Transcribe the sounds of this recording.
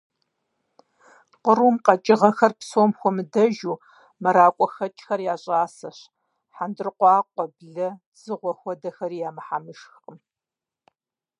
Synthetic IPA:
qəɾumqɐt͡ʃʼɪʁɐxɐrpsoːmxʷɔmɨdɐʒuː | mɐɾaːkʷʼɔxɐt͡ʃʼxɐrjaːɕʼaːsɐɕ | ħandɨrqʷɑːqʷʼɔbɮɐ | z̥ɨʁʷɔxʷɔdɐxɐrijaːmɐħamɨʃxqʼəm

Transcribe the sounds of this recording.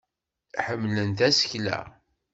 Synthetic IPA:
ħəmːlənt̪æsə̥çlæ̰

